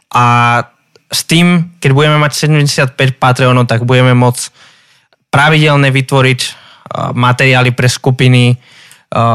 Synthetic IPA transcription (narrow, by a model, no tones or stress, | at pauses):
ʔa | st̪iːmkɛɟbuɟɛmɛmacsɛɟɛmɟɛsɪat̪̚pɛcpat̪ɾɛɔnɔʊt̪aɡbuɟɛmɛmʊɔt͡s | pɾaʋiɟɛlɲɛʋit̪ʋɔɾic | mat̪ɛɾɪaːlipɾɛskupini